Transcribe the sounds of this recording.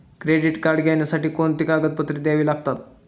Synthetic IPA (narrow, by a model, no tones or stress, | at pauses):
kɾeɖiʈkaɾɖɡʱjanjasaʈiːkont̪ikaɡət̪̚pət̪ɾiːd̪jaʋiːlaɡ̚t̪at̪